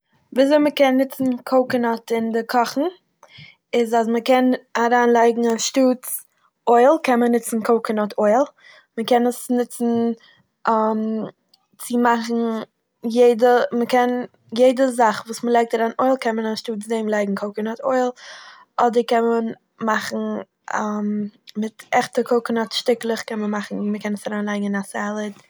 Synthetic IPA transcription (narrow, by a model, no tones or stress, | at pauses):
viːzoɪməkɛnːɪt͡sn̩kʰoʊkənɔtɪndɪkʰɔχn̩ | ɪzazməkɛnaɾaːnlˠaɪɡŋ̩aʃtuːt͡s | oɪlˠkɛnmənɪt͡sn̩kʰoʊkənɔtʰoɪlˠ | məkɛnəsnɪt͡sn̩ | am | t͡sɪmaχn̩ | jeɪdəməkɛn | jeɪdəzaχvuːsməlˠaɪk̚taɾaːnoɪlˠkʰɛnmənaʃtuːt͡sdemlˠaɪɡŋ̩kʰoʊkənɔtʰoɪlˠ | ɔdəɾkɛnmən | maχn̩ | ammɪtɛχtəkʰoʊkənɔtʃtɪklˠəχkɛnmənmaχn̩məkɛnəsaɾaːnlˠaɪɡŋ̩ɪnasɛlˠət